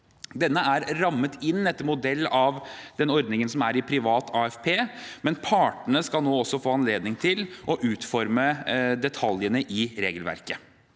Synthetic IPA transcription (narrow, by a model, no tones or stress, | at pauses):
d̪ɛnːəæɾɾɑmːət̪ɪnːɛt̪ːəmʊd̪ɛlːɑʋd̪ɛnɔɾd̪nɪŋənsɔmæɾɪpʰɾɪʋɑːt̪ʰɑːɛfpʰeːmɛnpʰɑːʈəɳəskɑlnoːɔsːɔfoːɑnleːd̪nɪŋt̪ʰɪlʔɔʔʉːt̪fɔɾməd̪ɛt̪ʰɑljənəʔɪɾeːɡəlʋæ̰ɾkə